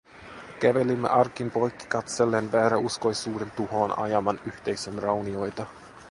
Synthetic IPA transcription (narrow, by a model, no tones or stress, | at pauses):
kæʋe̞limːḛʔɑrkinpo̞jkːi̥kɑt̪se̞lːe̞ːnʋæːɾæusko̞jsuːde̞nt̪uho̞ːnɑ̰jɑmɑnyht̪e̞jsenrɑwnio̞jt̪ɑ